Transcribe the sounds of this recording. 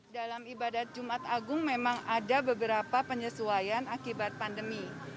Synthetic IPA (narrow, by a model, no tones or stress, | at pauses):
dalamibadat̪̚d͡ʒumat̪aɡʊŋmemaŋadabəbəɾapapəɲəsuajanakibat̪̚pandəmi